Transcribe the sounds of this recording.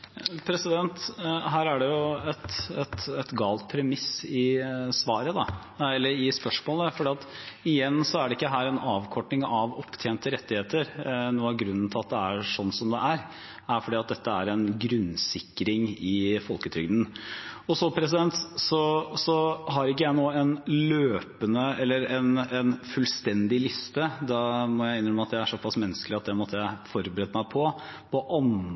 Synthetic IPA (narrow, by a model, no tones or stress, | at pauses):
pʰɾɛsɪd̪ɛnt̪ɦæːɾæɖɛjʊɛt̪ɛt̪ɛt̪ɡɑːlt̪̚pʰɾɛmɪsɪsʋɑːɾəd̪ɑ | ɛlːəɾɪspœʂmoːləfɔɖiːɑt̪ɪjɛnːsɔæɖɛɪkːəɦæːɾɛnɑːʋkʰɔʈɳɪŋɑʋɔpːt̪ʰeːnt̪əɾɛt̪ːɪheːt̪əɾnuːɑɡɾʉnːn̩t̪ʰɪlɑt̪̚d̪ɛæɾʂɔnːsɔmd̪ɛʔæɾ | æfɔɖiːɑt̪̚d̪ɛt̪ːəæɾɛnɡɾʉnsɪkːɾɪŋɪfɔlkət̪ʰɾʏɡd̪n̩ɔsɔpʰɾɛs̬ɪd̪ɛnt̪sɔsɔɦɑɾɪkːəjæɪnoːɛnløːpənəɛlːəɾɛnɛnfʉlst̪ɛnd̪ɪlɪst̪əd̪ɑmɔjæɪɪnəɾəɾmɑt̪jæɪæʂɔpʰːɑsmɛnːəsklɪɑt̪̚d̪ɛmɔt̪ːəjæɪfɔɾbəɾɛt̪əmæɪpʰɔpʰɔʔɑn